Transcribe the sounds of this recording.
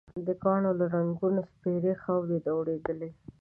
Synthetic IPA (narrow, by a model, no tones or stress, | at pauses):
d̪əkɑɳolaɾaŋɡunospeɾexawd̪ed̪awɽed̪əle